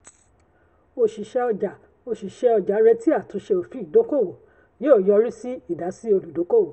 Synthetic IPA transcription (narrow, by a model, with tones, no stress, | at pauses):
o˧ʃi˨ʃɛ˧ɔ˧d͡ʒa˨ | o˧˨ʃi˨ʃɛ˧ɔ˧d͡ʒa˨˦ɾɛ˧ti˦a˦˨tũ˨˦ʃe˧o˨fi˨˦i˦˨do˨˦ko˦o˨ | je˨˦o˦˨jɔ˧ɾi˦si˦i˦˨da˨˦si˦o˧lu˨do˨˦ko˦o˨